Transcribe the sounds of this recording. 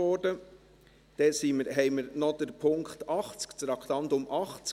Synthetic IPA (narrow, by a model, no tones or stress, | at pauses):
ɔːɾdə | d̥ɛsiməɾɦɛɪməɾnɔd̥̪əɾpʰʊŋkχtɑχt͡skt͡sɾɑkχt̪ɑnd̪ʊmʔɑχt͡s